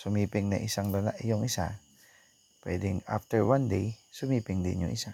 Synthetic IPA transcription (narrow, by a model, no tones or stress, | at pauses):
somipɪŋnɛʔisaŋlənaʔijɔŋisa̰ | pɛdɪŋa̰ft̪əɹwandesomipɪŋdeɲo̰ʔḭsa